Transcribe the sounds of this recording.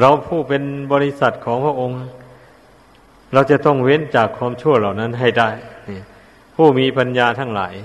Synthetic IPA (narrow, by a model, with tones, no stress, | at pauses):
ɾa˧wpʰuː˥˩pe˧nbɔː˧li˧˩sa˨˩t̪̚kʰɔː˨˦ŋpʰɾa˧˨ʔo˧ŋ˧ | ɾa˧wt͡ɕa˨˩t̪ɔ˧˥˩ŋwe˧˥˨nt͡ɕaː˨˩kʰːwaː˧˥˨mt͡ɕʰu˥˩ɐla˨˩wna˧˥˩nɦa˧˩jda˥˩jni˧˩ | pʰuː˥˩miː˧˥pa˧njaː˧t̪ʰa˧˥˩ŋla̰ː˩˦j